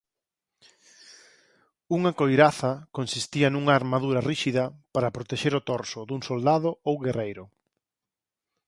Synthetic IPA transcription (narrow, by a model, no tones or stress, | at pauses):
uŋɐkojɾaθɐkonsist̪iɐnuŋaːɾmaðuɾɐriʃiðɐpaɾɐpɾot̪eʃeɾʊt̪oɾsʊd̪uŋsold̪aðʊowɣerʔejɾʊ